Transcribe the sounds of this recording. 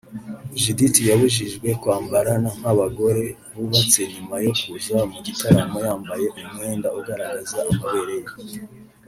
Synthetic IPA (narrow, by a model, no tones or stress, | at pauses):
ʒiditijaβuʒiʒɡwe̞kwaːmbaɾanaŋ̥haβaɡo̞ɾe̞ | βuβat͡se̞ɲumajo̞kuzaamuɟitaɾamojaːmbaje̞ʔumŋe̞ːndauɡaɾaɡazaːmaβe̞ɾe̞ja